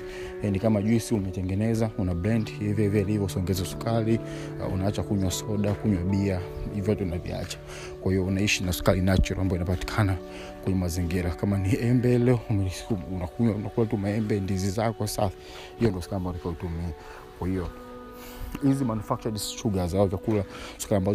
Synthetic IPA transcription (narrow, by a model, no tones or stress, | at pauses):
janikamaʄusiumɛtɛŋɡɛnɛzaunablandhivjɛvalivɔusɔŋɡɛzasu̥kalḭ | ṵnaat͡ʃakuɲwasɔɗakuɲwaɓiaivjatɛunavḭa̰t͡ʃḁ | kwahiɔunaiʃinasu̥kalinat͡ʃuɾaambaɔinapati̥kʰana | kwɛɲɛmaziŋɡiɾakamaniɛmbɛlɛɔ | unakuɲwanakulatumaɛmbɛndizizakɔsas | hijɔndiɔsukaliambaɔntakaɔutumia | kwahiɔ | hizimanufak̚t͡ʃadisʃuɠazaaɔvakulasu̥kaliambaz